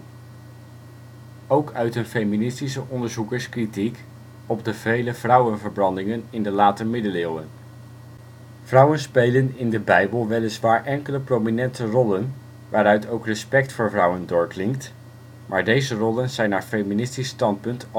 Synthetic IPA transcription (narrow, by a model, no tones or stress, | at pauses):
owkœɥtənfejminɪstisəʔɔndəɹzukəɹskritik | ɔb̚dəvejləvrʌwənvəɹbrɑndɪŋənɪndəlaːtəmɪdəlɪːlˠən | v̥rʌwənspejlənɪndəbɛjbəlˠʋɛlɪsʋaːɹʔɛŋkələprowminɛntərɔlən | ʋaːɾœɥtowkrəspɛk̚tfʊːɹvrʌwəndʊːɹklɪŋk̚t | mʔaːɹdejzərɔlənzɛjnaːɹfejminɪstistɑnt̚pɵnt